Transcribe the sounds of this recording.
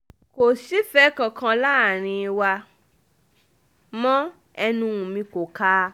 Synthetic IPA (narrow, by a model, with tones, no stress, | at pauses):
ko˨si˦fɛ˦kã˧kʰã˧la˦˨ɾ̃ĩ˧wa˧ | mɔ̃˦ | ɛ˧nũ˧ũ˨mĩ˧ko˨ka˧˦